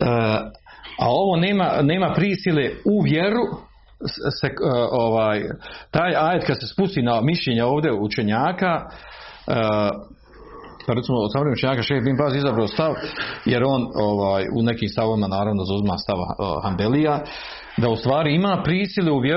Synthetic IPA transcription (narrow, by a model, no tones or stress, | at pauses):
ə | a̰o̞ʋo̞ːne̞ːmane̞ːmapɾiːsileuʋje̞ɾu | seoʋaːjt̪aːjaːjet̪kad̪se̞spust̪iːnamiʃlʎeːɲao̞ːʋd̪jeut͡ʃe̞ɲaːka | paɾet̪simosamɾeeut͡ʃeɲaːkaʃeːbiːmbaziizabɾaost̪aʋjeɾo̞noʋaːjṵne̞kiːmst̪aʋoʋimanaːɾaʋnod̪zauzima̰ːst̪aʋ̰hamb̪elija | d̪aust̪ʋaːɾiimaːpɾiːsileuʋje